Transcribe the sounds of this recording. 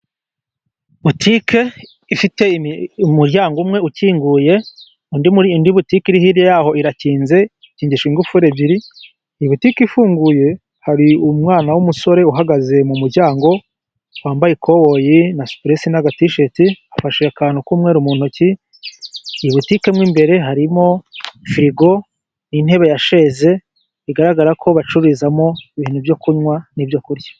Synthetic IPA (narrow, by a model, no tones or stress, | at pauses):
βutʰikʰe̞ | ifite̞muɾjaːŋɡumŋe̞uciːŋɡuːje̞ | undindiβutikiɾihiɾjejaːho̞iɾaciːnze̞ | iciːɲɟiʃiŋɡufuɾebiɾi | iβutikifuːŋɡuje̞ | haɾiumŋaːnawumuso̞ɾe̞uɦaɡaze̞mumuɾɟaːŋɡo̞ | waːmbajikʰo̞wo̞jinasu̥pɾesinaɡatiʃetiafaʃeakaːnukuːmŋe̞ːɾumuːn̥huci | iβutike̞mŋiːmbe̞ɾe̞ɦaɾimo̞fɾiɡo̞ | nin̥he̞ːβejaʃe̞ːze̞ | iɡaɾaɡaɾakʰo̞βat͡ʃuβizamo̞iβihenuvjo̞kuɲwanivjo̞kuɾɟḁ